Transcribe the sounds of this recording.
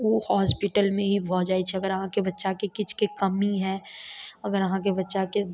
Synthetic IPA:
ʋoːhɔːspɪʈəlmẽɦibʱɔːd͡ʒaːit͡ʃʰiɐɡəɾɐɦãkebɐtːʃakekɪt͡ʃʰkekɐmiɦɛ̃ːɐɡəɾɐɦãk̬ebɐtːʃake

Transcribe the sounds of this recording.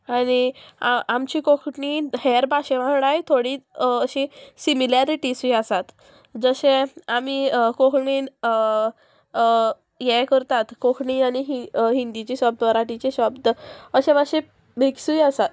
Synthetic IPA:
aɽ̃iaamt͡ɕikokʰɳihɛɾbʱaɕeʋãɦɽajt̪ʰoɽiːəɕĩsimilaɾiʈisiasat̪ | d͡zəɕẽamikokʰɳin | jɛkəɾt̪at̪kokʰɳianiɦiɦind̪it͡ɕiɕɔb̚d̪əəɾaʈit͡ɕeɕɔbd̪əəɕẽbaɕẽ | bʱeksujasat̪

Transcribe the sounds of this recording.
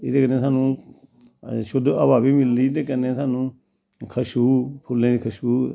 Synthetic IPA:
ɪd̪eːkəneːsʰaːnũː | ʃʊd̪ə̰baːbiːmɪld̪iːd̪eːkənːẽːsʰaːnũː | kʰəʃuːpʰʊlːẽːd̪iːkʰəʃuː

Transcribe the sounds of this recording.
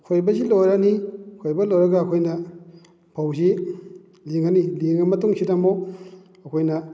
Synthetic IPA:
kʰojbɐzilojɾanikʰojbɐlojɾɐɡaːkʰojnɐ | pʰawzi | liŋaniliŋɐmɐtuŋsʰidamo | ɐkʰojnɐ

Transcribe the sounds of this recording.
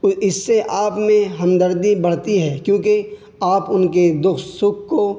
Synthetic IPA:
ʊɪsːeʔaːpmẽɦɐ̃md̪əɾd̪ibɐɽ̤t̪iɦɛːkjõːke | aːpʊnked̪ʊxt̪sʊkʰːo

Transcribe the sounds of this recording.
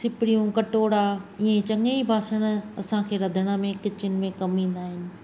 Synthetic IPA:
sɪpɪɽijũkɐʈoːɽaiẽt͡ɕɐŋeibʱaːsəɽ̃̆ɐsãkʰeːɾɐd̪ʱəɽ̃əmẽkɪt͡ɕɪʊnɪ̆mẽkɐmĩːn̆d̪aːɦɪnɪ̆

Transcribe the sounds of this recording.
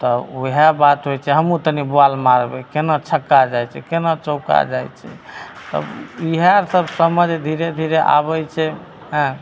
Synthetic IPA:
t̪ɔuɦabat̪ɦojt͡ʃʰɛɦəmut̪ənibualmaɾbɛkenat͡ʃʰəkːad͡ʒajt͡ʃʰɛkenat͡ʃoka̰d͡ʒa̰jt͡ʃʰɛ̰ | t̪ə̰biɦaɾsəbsəməd͡ʒd̪ʱiɾed̪ʱiɾeʔa̰βɛjt͡ʃʰɛ | ɦɛ̃

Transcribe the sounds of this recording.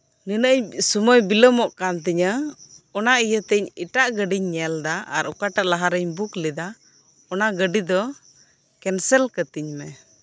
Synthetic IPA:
ninəʔəɲsumɔjbiləmɔʔkant̪̬iɲəɔnaijət̪ɛɲiʈaʔɡəɖiɲːɛld̪aa̰ɾɔkaʈaʔlaɦaɾəɲbuklɛd̪a | ɔnaɡəɖid̪ɔ | kɛnsɛlkət̪iɲmɛ

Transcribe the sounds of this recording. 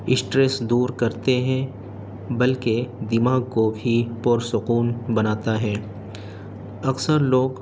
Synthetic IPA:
ɪsʈɾesd̪uːɾkɐɾt̪eɦɛ̃ | bɐlked̪ɪmaːɡ̚kobʱipɔɾsʊquːnbɐnaːt̪aɦɛː | ɐksəɾloːɡ

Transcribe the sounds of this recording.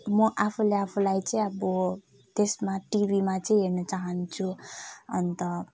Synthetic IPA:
mʌʔapʰuleapʰulajt͡sʌĩʌbʌ | t̪esmaʈibimat͡sʌĩɦeɾnʌt͡saɦʌnt͡sʰuʌ̰nt̪ʌ

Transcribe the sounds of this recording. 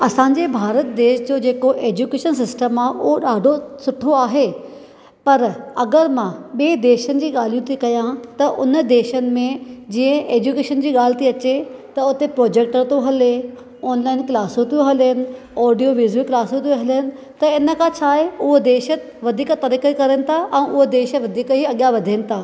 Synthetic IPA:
ɐsãːɲd͡ʑebʱaːɾət̪̚d̪eːʃd͡ʑoːd͡ʑeːkoʔeːd͡ʑuːkeːʃəns̬ɪsʈəmaːɦʔʊɦoɗaːɖʱosʊʈʰoaːɦe | pɐɾɐɡəɾmãɓiːd̪eːʃənɪ̆d͡ʑiːɠaːl̤ijũt̪ʰikɐjãt̪ɐʔʊnəd̪eːʃənɪ̆mẽd͡ʑĩə̃ʔeːd͡ʑuːkeːʃənd͡ʑiːɠaːl̤t̪iɐt͡ɕet̪ɐʊt̪epɾoːd͡ʑeːk̚ʈəɾt̪oɦɐle | ɔːnlaːɪnklaːsõt̪ijõɦɐlɦɪnɪ̆ | ɔːɖijoʋiːzilklaːsot̪ijõɦɐlɦənɪ̆ | t̪ɐɪnə̆kʰãt͡ɕʰaːɦeʊɦod̪eːʃə | ʋɐd̪ʱiːkt̪ɐɾikəkɐɾənɪ̆t̪ʰaʔɛ̃ːʔʊɦod̪eːʃəʋɐd̪ʱiːkɦiɐɠjaʋɐd̪ʱinɪ̆t̪ʰaː

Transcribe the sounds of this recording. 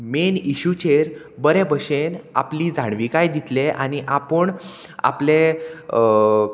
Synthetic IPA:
meniɕut͡ɕeɾ | bəɾẽbʱəɕena̰pliːd͡zʱaɳ̃ʋikajd̪it̪leʔaniʔapəɳ | a̰ple

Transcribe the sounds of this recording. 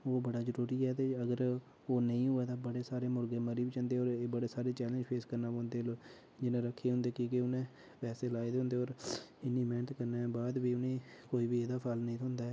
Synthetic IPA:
oːbəɽaːd͡ʒəɾuːɾiːɛːt̪eːəɡəɾ | oːnəĩːɦoːɛːt̪aːbəɽeːsaːɾeːmʊɾɡẽːməɾiːbit͡ʃənd̪eːɔːɾeːbəɽeːsaːɾeːt͡ʃɛːlə̃nd͡ʒpʰeːskəɾnaːpõːnd̪eːloː | d͡ʒɪnẽːɾəkʰːeːɦʊ̃nd̪eːkiːkeʊnẽː | pɛːseːlaːid̪ɦʊ̃nd̪eːɔːɾɪnːiːmɛːnət̪kəɾneːbaːd̪biːʊnẽːkoːiːbiːeːd̪aːpʰaːlnəĩːt̪ʊnd̪aːɛː

